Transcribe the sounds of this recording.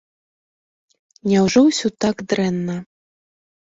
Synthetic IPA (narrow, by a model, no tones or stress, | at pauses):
nʲɛwʐɔwsʲɔt̪aɡd̪ɾɛnːɐ